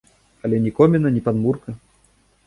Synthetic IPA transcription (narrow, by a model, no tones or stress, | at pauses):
ɐlʲɛnʲikɔmʲɛnɐnʲipad̪murkɐ